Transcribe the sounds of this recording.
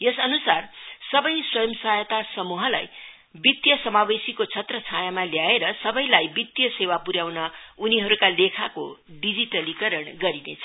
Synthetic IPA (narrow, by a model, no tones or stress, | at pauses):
jesʌnusarsʌbʌjswʌjʌmsajʌt̪asʌmuɦʌla̰j | bit̪jʌsʌmabesikot͡sʰʌt̪rʌt͡sʰajamaljaeɾʌsʌbʌjlajbit̪jʌsewapuɾjawnʌuniɦʌɾukalekʰakoɖid͡ziʈʌlikʌɾʌɳɡʌɾinḛt͡sʰʌ